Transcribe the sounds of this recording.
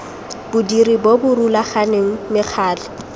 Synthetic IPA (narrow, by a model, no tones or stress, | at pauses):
bʊdiribobʊrulaχaneŋ̩mɪk͡xʰaːlɪ